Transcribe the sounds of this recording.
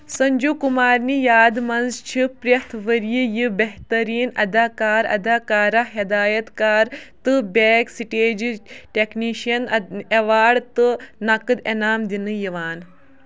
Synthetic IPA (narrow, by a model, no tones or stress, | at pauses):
sɐɲd͡ʒukumaːɾnijaːd̪mɐnzt͡ʃʰipɾjɐt̪ʰʋəɾjijibeɦt̪ɐɾiːnɐ̰d̪aːkaːɾɐ̰d̪aːkaːɾɐɦɐd̪aːjɐt̪kaːɾt̪ɨbeːksiʈeːd͡ʒʈʲekniːʃijɐneʋaːɖt̪ɨnɐkɨd̪enaːmd̪inɨjiʋaːn